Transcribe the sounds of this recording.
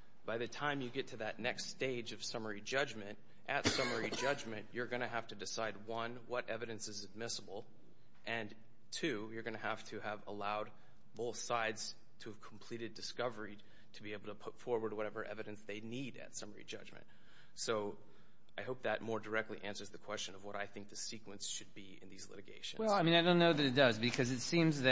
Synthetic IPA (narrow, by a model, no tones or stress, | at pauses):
b̥aɪðɨtʰãɪ̃mjɨɡɛtʰɨðɨtⁿnɛksteɪd͡ʒʌv̥sʌmə˞id͡ʒʌd͡ʒmɨ̃nt | ʔɨtsʌmə˞id͡ʒʌd͡ʒmɨ̃nʔə˞ɡʌñɨɦæftɨdɨsaɪd̚wʌ̃nwʌɾʔɛvɨɾɨ̃nsɨzɨd̚mɪsəbl̩ˠ | ʔɨ̃n | tʰʉjə˞ɡʌñɨhæftʰɨːvəlaʊd̚ | boʊθsaɪdz̥ | tʰɨːv̥kʰm̩pʰl̥iɾɨdɨskʌvə˞i | tʰɨbieɪbl̩ˠtʰəpʰʊtfɔɹwə˞d̚wʌɾɛvə˞ʔɛ̰vɨɾɨ̃nsðeɪniɾɨ̰tsʌmə˞ḭd͡ʒʌd͡ʒmɨ̰̃nt̚ | soʊ | aɪɦoʊp̚ðɨt̚mɔɹdə˞ɛk̚tˡliʔæ̃nsə˞zðɨkʰw̥ɛst͡ʃɨ̃nʌvwʌɾaɪθɪ̃ŋk̚ðɨsikwə̃nsʃɨd̚biɪ̰̃nðizlɪ̰ɾɨɡḛɪʃɨ̰̃w̩ɛlzˠaɪmĩnaɪdõʊ̃nːoʊðɨɾɨt̚d̥ʌzbɨkʰʌzɨtsĩmzðɨ